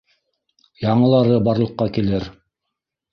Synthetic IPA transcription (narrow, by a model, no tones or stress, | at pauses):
jɑɴɤ̆lˠɑɾɤbɑɾlˠɤ̆qːɑkilɘɾ